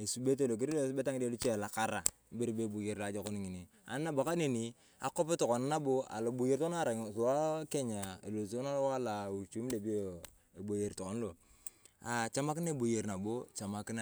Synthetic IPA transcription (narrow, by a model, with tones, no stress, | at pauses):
e˨su˨be˦t̬e˦˨lo˨k̬i˦ɾe˦be˦ta˦ŋi˦de˦lu˦t͡ʃe˦˨la˨ka˦ɾa˨˦ | be˦ɾbe˦bo˨je˨ɾla˨˦d͡ʒo˦˨ko˦n˦ŋi˨ni˨ | a̰˨n˦na˦bo˨ka˦ne˨ni˨ | a̰˨ko˦pe˦to˨ko˨na˦na˦bo˦a̰˨lo˨bo˨je˨ɾta˦˨ɾa˨ŋ˨swa˦ke˦ɲa˨ḛ˨lo˨sna˦lwa˦la˨u˨t͡ʃu˦m˦de˨bi˦o˦˨ | e˨bo˨je˨ɾto˨ko˦n˦lo˨ | a˨t͡ʃa˦ma˦ki˦na˦e˨bo˨je˨ɾna˨bo˦t͡ʃa˨ma˨ki˦na˦